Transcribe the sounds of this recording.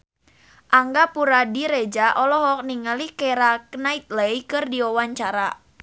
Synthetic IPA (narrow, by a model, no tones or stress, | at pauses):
ʔaŋɡapuɾadiɾed͡ʒaʔɔlɔɦɔk̚niŋalikeɾaknait̪̚lejkɨrdiɔwaɲt͡ʃaɾa